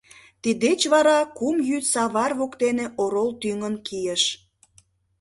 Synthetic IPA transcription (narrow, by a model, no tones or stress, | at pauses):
t̪id̪et͡ɕβɑɾɑkumjyt̪sɑβɑrβokt̪eneʔoɾolt̪yŋənkijəʃ